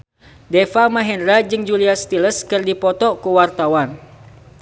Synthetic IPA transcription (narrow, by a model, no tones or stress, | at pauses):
dɛfamaɦɛnɾad͡ʒɨŋd͡ʒuliast̪iləskɨrdipɔt̪ɔkuwart̪awan